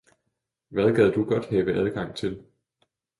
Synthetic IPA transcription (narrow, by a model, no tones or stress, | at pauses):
ʋæð̞ˠɡ̥æð̞̰ˠd̥uɡ̥ɒ̽d̥hɛːʋəʔæð̞ˠɡ̥ɑ̈ŋ̰t͡sʰe̝l